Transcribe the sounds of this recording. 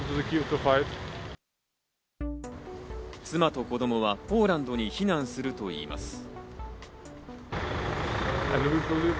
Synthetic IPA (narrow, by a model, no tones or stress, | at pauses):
dzɨkʰjut̪ʰːəfaɪt | t͡sɨmat̪o̞ko̞d̪o̞mo̞βapo̞ːɾãnd̪o̞ɲ̟içinãɰ̃sɨɾɯ̟t̪o̞ḭːma̰sɨ̥ | ɛ̃nwibəli